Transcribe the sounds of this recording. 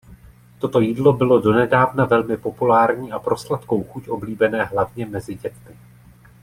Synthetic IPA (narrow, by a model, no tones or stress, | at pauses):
t̪o̞t̪o̞jiːdlo̞bɪlo̞do̞nɛdaːvnavɛlmɪpo̞pulaːɾɲiːʔapɾo̞slat̪ko̞wxucʔo̞bliːbɛnɛːɦlavɲɛmɛzɪɟɛt̪mɪ